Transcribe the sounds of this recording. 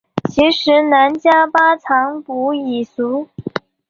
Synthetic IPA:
t͡ɕʰi˧˥ʂɻ̩˧˥na˧˥nt͡ɕja˥pa˥t͡sʰɑ˧˥ŋpu˧˥i˨˩su˧˥

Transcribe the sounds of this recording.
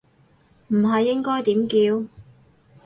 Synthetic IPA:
m̩˨˩ɦɐ˨jːɪ˥ŋkɔː˥jt̪iː˨˥mkiː˨˧w

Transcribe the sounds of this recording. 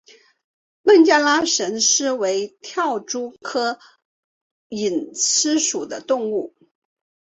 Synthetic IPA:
pə˥˩nt͡ɕja˥˧la˥ʂə˧˥nʂɻ̩˥we˧˥ɪt̪ʰjɑ˥˩ʊʈ͡ʂu˥kʰɤ˥ | i˨˩nt͡sʰɻ̩˥ʂu˨˩d̪ə˦t̪ʊ˥˧ŋu˥˩

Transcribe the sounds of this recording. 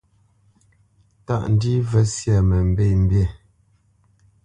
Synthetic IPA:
ta̰˦ʔn̩˨di˦və˦sja˨mə˨m̩˨be˦˨m̩˦bje˦˨

